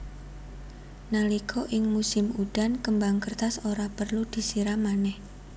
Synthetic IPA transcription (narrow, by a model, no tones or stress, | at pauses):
nalikʰoʔɪŋmusɪmud̥ankəmbaŋkərt̪asoɾapərlud̪̥i̤siɾamanɛh